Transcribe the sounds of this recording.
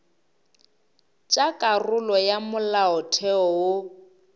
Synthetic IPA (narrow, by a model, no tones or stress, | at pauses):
t͡ʃʼakʼarʊlɔjamʊlaɔtʰɛɔwʊ